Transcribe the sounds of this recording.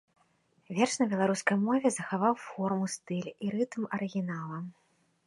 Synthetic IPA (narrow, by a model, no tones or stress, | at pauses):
vʲɛrʂnɐbʲɛlˠaɾuskɐjmɔvʲɛzɐxavawfɔrmust̪ɨlʲiɾɨt̪mɐɾɨɣʲinalˠɐm